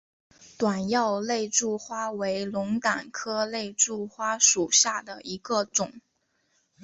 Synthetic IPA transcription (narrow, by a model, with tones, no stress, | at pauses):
t̪wa˨˩njɑ˥˧ʊle˥˧ɪʈ͡ʂu˥˩xwa˥we˧˥ɪlʊ˧˥ŋt̪a˨˩nkʰɤ˥le˥˧ɪʈ͡ʂu˥˩xwa˥ʂu˨˩ɕja˥˩d̪ə˩i˧˥ɡə˧ʈ͡ʂʊ˨˩˦ŋ